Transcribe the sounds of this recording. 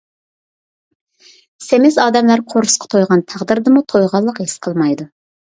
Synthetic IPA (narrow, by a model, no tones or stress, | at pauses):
semɪzɑːd̪ɛmlæɾqʰoɾʊsqʰɑ̥t̪ʰojʁɑnt̪ʰæʁd̪ɨɾd̪ɨmut̪ʰojʁɑlˠːəqhesqʰəlˠmɑjd̪u